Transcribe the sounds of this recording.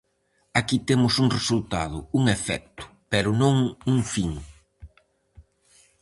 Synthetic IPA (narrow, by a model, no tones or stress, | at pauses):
akit̪emʊsuŋresult̪a̰ðʊuŋefɛ̰k̚t̪ʊ̥pɛɾʊnõŋuŋfiŋ